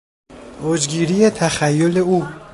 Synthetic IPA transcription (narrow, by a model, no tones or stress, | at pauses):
ʔoːd͡ʒɡiːɾijet̪ʰæxæjːoleuː